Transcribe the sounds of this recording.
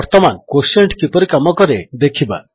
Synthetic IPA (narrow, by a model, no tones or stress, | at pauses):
ɾt̪ɔmankoseɳʈkipɔɾikamɔkɔɾed̪ekʰiba̰